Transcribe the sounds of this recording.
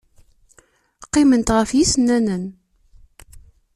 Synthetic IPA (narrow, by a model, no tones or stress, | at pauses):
qːɪmənt̪ʁəfjisənːænən